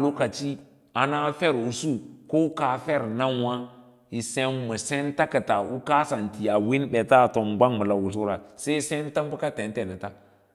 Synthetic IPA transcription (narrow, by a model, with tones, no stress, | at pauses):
lo˦ka˨t͡ʃi˦ | a˨na˦fɛ˦ɾu˨˦su˦ko˦ka˨fɛ˦ɾna˦wa˦ | i˨se˦mə˨sɛ˦nta˦kə˨ta˨u˦ka˦sa˨nti˨a˨wi˦nbɛ˨ta˦˨to˨ŋɡ͡ba˦ŋmə˨la˨wu˨s̬u˦ɾa˨se˦i˦se˦n˦tə˦m˦bə˦ka˦te˨n˦te˨nə˨ta˦